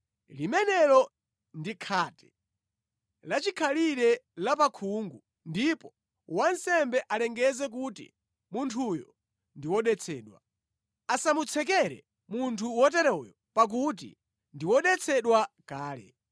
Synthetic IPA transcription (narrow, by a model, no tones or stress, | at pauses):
limɛnɛɾɔ | ndikʰaːtɛ̥ | lat͡ʃikʰaliɾɛlap̬akʰuŋɡu | ndipɔ | wansɛmbɛʔalɛŋɡɛzɛk̬utḭ | muntʰujɔ | ndiwɔɗɛt͡sʰɛːɗwa̰ | asamut͡sʰɛk̬ɛɾɛ̰ | muntʰuwɔt̬ɛɾɛɔjɔ | pak̬ut̬ḭ | ndiwɔɗɛt͡sʰɛɗwakaːlɛ̰